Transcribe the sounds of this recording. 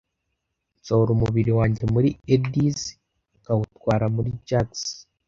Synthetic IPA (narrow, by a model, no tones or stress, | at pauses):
t͡soɾumuβiɾiwaːɲɟe̞muɾiediz | kawutwaːɾamuɾid͡ʒaks